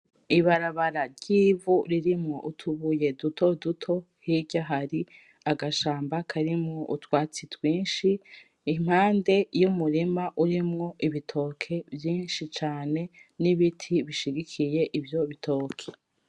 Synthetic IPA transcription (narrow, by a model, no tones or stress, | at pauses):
iβaɾaβaɾaɾɟiːvuɾiɾimŋo̞ʔutʰuβuje̞dutʰo̞dutʰo̞ | hiɟaɦaɾi | aɡaʃaːmbakʰaɾimŋoʔutwaːt͡sitwiːnʃiː | m̥haːnde̞jumuɾimaʔuɾimŋo̞ʔiβitʰo̞ːkʰe̞bjiːnʃit͡ʃaːne̞niβitʰiβiʃiɡikʰije̞ʔibjo̞βitʰo̞ːkʰe̥